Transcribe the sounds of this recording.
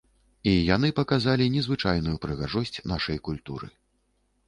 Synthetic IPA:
ijan̪ɨpɐkazalʲinʲɛzvɨt͡ʂajnujupɾɨɣaʐɔsʲt͡sʲnaʂɐjkulʲt̪ṵɾɨ̰

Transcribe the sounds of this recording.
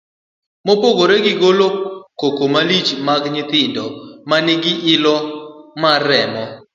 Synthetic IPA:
mopoɡoɾeɡɪɡolokokomalit͡ʃmaɡɲɪt̪ɪndɔmanɪɡɪʔɪlɔmaɾɛmɔ

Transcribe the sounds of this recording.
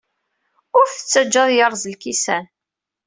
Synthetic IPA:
ʊɾθət͡sːæd͡ʒːəðˤjəɾˤzəlkisæn

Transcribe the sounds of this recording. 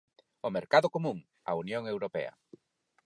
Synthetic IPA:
ʊmeɾkaðʊkomũŋ | a̰unjoŋewɾopɛ̰ɐ̰

